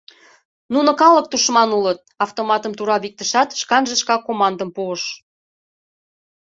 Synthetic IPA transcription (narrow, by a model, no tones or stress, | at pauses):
nunə̆kɑlə̆k̚t̪uʃmɑnulət̪̚ɑft̪omɑt̪əmt̪uɾɑβik̚t̪əʃɑt̪ʃkɑnʒə̆ʃkɑkomɑnd̪əmpuəʃ